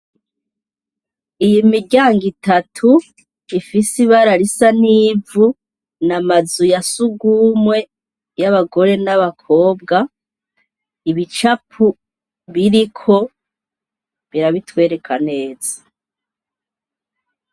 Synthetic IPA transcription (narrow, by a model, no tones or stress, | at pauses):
ijimiɾɟaːŋɡitatʰu | ifisiβaɾaɾisaniːvu | namazujasuɡuːmwe̞ | jaβaɡo̞ɾe̞naβakʰo̞ːb̚ɡa | iβit͡ʃapʰu | βiɾikʰo̞ | βiɾaβitwe̞ːɾe̞kʰane̞ːzḁ